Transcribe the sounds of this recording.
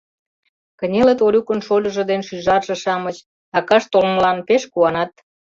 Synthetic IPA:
kənʲelət̪oɾʲukənʃolʲə̆ʒə̆d̪enʃyʒɑrʒɤ̆ʃɑmət͡ɕ | ɑkɑʃt̪olməlɑnpeʃkuɑnɑt̪

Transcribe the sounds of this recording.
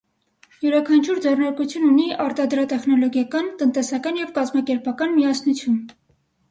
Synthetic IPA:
juɾɑkʰɑnt͡ʃʰuɾd͡zɛrnɑɾkut͡sʰjununiʔɑɾt̪ɑd̪ɾɑt̪ɛχnɔlɔɡjɑkɑnt̪ənt̪ɛsɑkɑnjɛvkɑzmɑkɛɾpɑkɑnmiɑsnut͡sʰjun

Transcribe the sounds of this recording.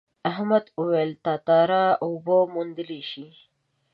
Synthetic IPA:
aɦmad̪uwejlt̪ɑt̪ɑɾɑobomund̪əleʃi

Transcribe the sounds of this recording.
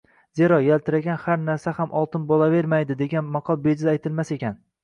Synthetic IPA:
ze̞ɾɒjalt̪ʰɪɾaɡʲanhaɾnaɾsahamʔɒlˠt̪ʰɪnbɒlave̞ɾmajd̪ɪd̪e̞ɡʲanmɑqʰɒlˠbe̞d͡ʒɪajt̪ʰɪlmase̞kʲʰan

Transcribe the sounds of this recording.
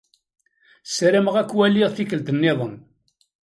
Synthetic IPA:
sɾəməʁækːwæliʁθikəlt̪ənːɪðˤən

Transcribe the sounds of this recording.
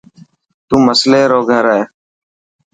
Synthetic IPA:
t̪ũːməsleːɾoːɡʱəɾeː

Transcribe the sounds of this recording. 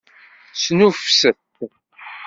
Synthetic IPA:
snufsəθ

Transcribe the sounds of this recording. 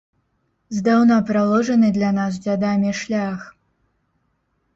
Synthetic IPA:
zd̪awnapɾalˠɔʐɐnɨd̪lʲanas̬d͡zʲad̪amʲiʂlʲax

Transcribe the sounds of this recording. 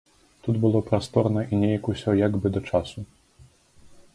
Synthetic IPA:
t̪ud̪bɨlˠɔpɾast̪ɔrnɐʔinʲejɐkusʲɔjaɡbɨd̪ɐt͡ʂasu

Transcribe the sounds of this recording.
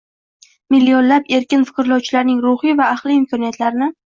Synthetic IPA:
mɪlːijonlape̞ɾkʲɪnfɨ̥qɨɾɪlˠɒwt͡ʃʰɪlaɾnɪŋɾʊχivaːχlˠiɪmkʰɒnijat̪laɾɪnɪ

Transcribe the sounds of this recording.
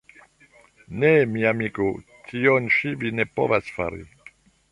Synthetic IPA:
nemiamiko | kʰiɔnʃivinepo̰vasfa̰ɾḭ

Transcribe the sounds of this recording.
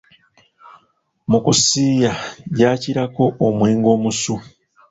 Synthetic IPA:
mukusiːjajaːciɾako̞ʔːmwe̞ːŋɡo̞ːmusu

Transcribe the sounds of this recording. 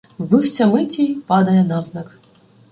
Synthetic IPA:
vbɨwsʲɐmɨtʲipɑd̪ɐjɛnavznak

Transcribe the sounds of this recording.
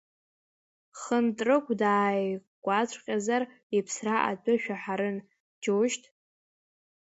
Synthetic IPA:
χəntʼrɨkʷʼdaːjɡʷʼat͡ɕʷʰʼqʲʼazar | ipʰsraʔa̰dʼʊʃᶣaħaɾɨn | d͡ʒoʃtʼ

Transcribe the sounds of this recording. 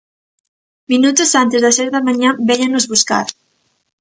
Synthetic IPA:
minut̪osant̪ezðaseɾðamãɲãbɛɲanːozβuska̰ɾ

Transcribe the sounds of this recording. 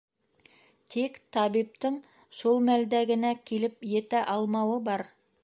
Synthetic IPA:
t̪ʰikt̪ʰɑbip̚t̪ɪɴ | ʃolˠmæld̪æɡɘ̆nækʲʰilɘpjet̪æʔɑlˠmɑwəbɑɾ

